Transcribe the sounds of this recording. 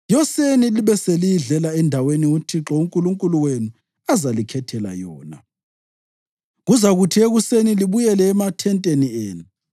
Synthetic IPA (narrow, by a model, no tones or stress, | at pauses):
jɔseniliβɛselijiɮɛlaɛndʱaweniutʰiǁɔuŋkʼuluŋkʼuluwenu | azalikʰɛtʰɛla̰jɔːna̰ | ɣuzaɣutʰieɣuseniliβujɛlɛːmatʰɛntʼenieːnu